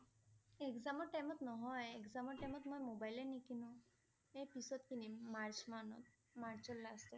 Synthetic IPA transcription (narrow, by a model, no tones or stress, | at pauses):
ekzamɔɹʈajmɔt̪nɔɦɔjekzamɔʈajmɔt̪mojmobajlenikinũ | ejpisɔt̪kinimaɹt͡ʃmanɔ̰t̪̚ | maɹt͡ʃɔlːast̪ɔ